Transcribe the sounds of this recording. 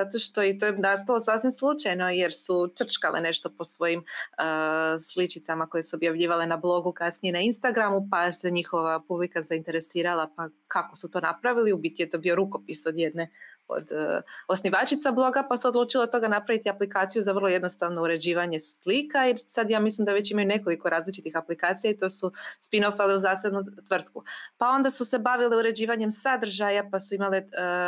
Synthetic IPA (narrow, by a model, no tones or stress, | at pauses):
zat̪o̞ʃt̪o̞it̪ojenast̪alˠo̞sasimslˠut͡ʃajno̞je̞ɾsut͡ʃ̪r̩t͡ʃkalene̞ʃt̪o̞po̞sʋo̞jiməslit͡ʃit̪samako̞je̞suobjaʋʎiːʋale̞nablˠo̞ɡukasnijenainst̪aɡɾamupaseɲixo̞ʋapublikazaint̪e̞ɾe̞siːɾalˠapakako̞sut̪o̞ːnapɾaʋiliubit̪ijet̪o̞bio̞ɾuko̞piso̞d̪jed̪ne̞o̰d̪o̞sniʋaːt͡ʃit̪sablˠo̞ɡapasuod̪luːt͡ʃilat̪o̞ɡanapɾaʋit̪iaplikaːt̪sijuzaʋr̩lˠo̞je̞d̪no̞st̪aʋno̞uɾe̞d͡ʑiːʋaɲe̞slikaiɾsad̪jaːmislˠimd̪aʋe̞t͡ɕimajune̞ko̞liko̞ɾaːzlit͡ʃit̪ixaplikaːt̪sijait̪o̞ːsuspino̞faleuzaːsed̪nut̪ʋr̩t̪kupao̞nd̪asuse̞baʋileuɾe̞d͡ʑiːʋaɲemsad̪r̩ʒajapasuimale